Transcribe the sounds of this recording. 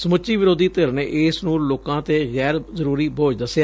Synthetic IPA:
səmʊt͡ʃːiːʋɪɾoːd̪iːt̪ɪɾneʔɪːsnũːloːkãːt̪eːɣɛːɾzəɾuːɾiːbʱoːd͡ʒd̪əsjaː

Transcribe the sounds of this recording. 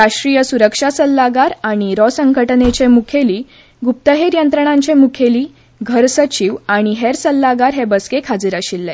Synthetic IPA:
ɾaʂʈɾijəsuɾəkʂasəlːaɡaɾaɽ̃iɾɔsəŋɡəʈnet͡ɕemukʰeliː | ɡup̚t̪əɦeɾjənt̪ɾəɳ̃ãɲt͡ɕemukʰeliː | ɡʱəɾsət͡ɕiʋaɽ̃iɦeɾsəlːaɡaɾɦebəskekʰad͡ziːɾaɕilːe

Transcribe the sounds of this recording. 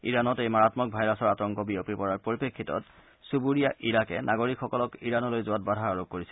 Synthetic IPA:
ḭɹanɔtejmaɹatmɔk̚bʱajɹasɔɹatɔŋkɔbiopipɔɹaɹpoɹipekʰːitɔ̰t | subuɹijaʔiɹakɛnʔaɡoɹikʰxɔkɔlɔkiɹanɔlojzʊwat̚badʱaaɹok̚koɹisɛl

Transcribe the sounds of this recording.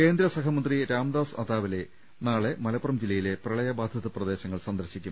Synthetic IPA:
ke̞ːnd̪ɾɐsɐkʰɐmɐnd̪riɾaːmd̪aːsɐd̪aːʋile̞ | naːɭe̞mɐlɐpːrɐmd͡ʑilːɐjile̞prɐɭɐjɐbaːd̪ʱjɐðɐprɐd̪e̞ːɕɐŋːɐɭsɐnd̪ɐɾɕikʲːum

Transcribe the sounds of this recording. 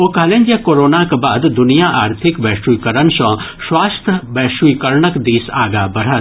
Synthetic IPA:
oːkaːlẽnd͡ʒjakoːɾoːnakebaːd̪d̪ʊnijaʔaːɾt̪ʰɪkʋɛːʃuikəɾənsɔ̃ | ʃwaːst̪ʰəʋɛːʃuikəɾɳəkd̪iːsaːɡaːbɐɾ̤ət̪

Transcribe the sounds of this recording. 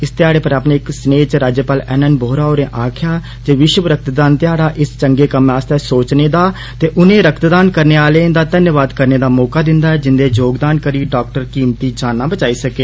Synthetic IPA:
ɪst̪ɪaːɽeːpəɾaːpneːɪksneːt͡ʃɾaːd͡ʒəpaːlɛːnənboːɾaːoːɾẽːʔaːkʰɪjaː | t̪eːʋɪʃwəʋɾək̚t̪d̪aːnt̪ɪjaːɽaːʔɪst͡ʃəŋɡeːkəmaːst̪ɛːsoːt͡ʃneːd̪aː | t̪eːʔʊnẽːɾəkt̪d̪aːnkəɾneːaːleːnd̪aːd̪ənjəʋaːd̪kəɾneːd̪aːmɔːkaːd̪ɪnd̪aːɛːd͡ʒɪnd̪eːd͡ʒoːɡd̪aːnkəɾiːɖaːk̚ʈəɾkiːmt̪iːd͡ʒaːnːãːbət͡ʃaːiːsəkeː

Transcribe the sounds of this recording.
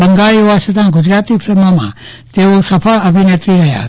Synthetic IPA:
bə̃ŋɡaːɭioasʰət̪ãɡʊd͡ʒɾaːt̪ipʰɾəməmã̰ | t̪eosəpʰəɭəbʱinet̪ɾiɾəɦja̰

